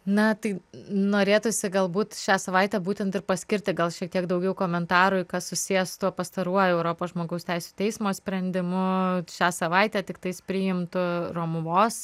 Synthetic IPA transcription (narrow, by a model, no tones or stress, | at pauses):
nɐt̪ɐɪnoːɾʲeːt̪ʊsʲɪɡɐlˠbuːt̪ʃʲæːsɐʋɐɪt̪ʲæbuːt̪ʲɛnt̪ɪɾpɐsʲkʲɪɾʲt̪ʲɪɡɐlˠʃʲiɛk̚t̪ʲiɛkd̪ɐʊɡʲɛʊkoːmʲɛnt̪ɑːɾʊɪkɐsʊsʲijɛsʊ̥t̪uɔpɐst̪ɐɾuɔjɛʊɾoːpoːsʒmoːɡɐʊsʲt̪ʲɛɪsʲu̥t̪ʲɛɪsmoːsʲpʲɾʲɛnʲd̪ʲɪmʊʃʲæːsɐʋɐɪt̪ʲæːt̪ʲɪkt̪ɐɪspʲɾʲiːjɪmt̪ʊroːmʊʋoːs